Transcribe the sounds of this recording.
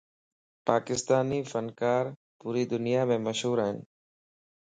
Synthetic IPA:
paːkɪst̪aːniːfənkaːɾ | puːɾiːd̪ʊnɪjaːmẽːməʃɦuːɾaːɦɪn

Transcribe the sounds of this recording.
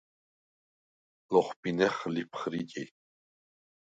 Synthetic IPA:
lɔχpʼinɛχlipʰχɾikʼi

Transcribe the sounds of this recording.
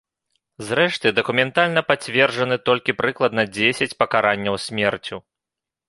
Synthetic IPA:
zrɛʂt̪ɨd̪ɐkumʲɛnt̪alʲnɐpat͡sʲvʲɛrʐɐnɨt̪ɔlʲkʲipɾɨklˠɐd̪nɐd͡zʲesʲɐt͡sʲpɐkaɾanʲːɐwsʲmʲɛrt͡sʲu

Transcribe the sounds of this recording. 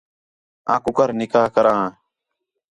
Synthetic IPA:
ã̰ːkʊkəɾnɪkaːɦkəɾãː

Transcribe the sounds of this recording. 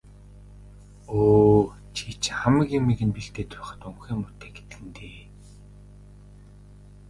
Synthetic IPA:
oː | t͡ɕʰit͡ɕʰχamə̆ɣimːiɣɘ̆npiɬt̪eːt̪ʰʊ̥χə̆t̪ɵŋxiːmʊt̪ʰeːɡe̥t̪ɡɘ̆nt̪eː

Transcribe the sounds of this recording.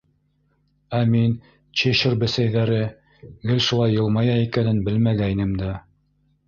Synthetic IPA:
æmin | t͡ɕeʃɘɾbɘ̆sæjðæɾɘ | ɡɘlʃulˠɑjːɤ̆lˠmɑjɑikænɘnbɘlmæɡæinɘmd̪æ

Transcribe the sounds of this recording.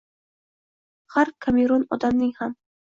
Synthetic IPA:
haɾkʰameɾɔnɒd̪amnɪŋham

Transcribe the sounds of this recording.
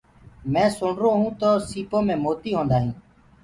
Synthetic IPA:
mɛ̃ːsʊɳɾoːɦũːt̪oːsiːpõːmẽːmoːt̪iːɦõːnd̪aːɦĩː

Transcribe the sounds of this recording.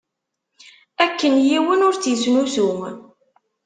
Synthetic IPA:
ækːənjiwənʊɾt͡sːjsnuθum

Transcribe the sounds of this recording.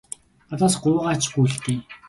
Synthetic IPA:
at̪aːsɢʊːʁaːt͡ɕʰxuɮt̪iː

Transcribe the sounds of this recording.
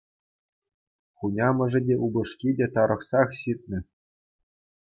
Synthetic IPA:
χunʲɑmɤ̆ʐɘ̆dʲeʔubɤ̆ʂkʲidʲet̪ɑɾɤ̆χsɑχɕit̪̚ʲnʲɘ̆

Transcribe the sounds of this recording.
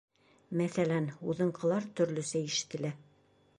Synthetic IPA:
mæθælænuðɤ̆ɴqɤ̆lˠɑɾt̪ɵ̆ɾlɵsæiʃɘ̥̆t̪ɘ̆læ

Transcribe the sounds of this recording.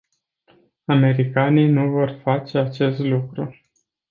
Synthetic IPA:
ame̞ɾikanijnuvo̞rfat͡ʃe̞at͡ʃe̞st̪lukɾu

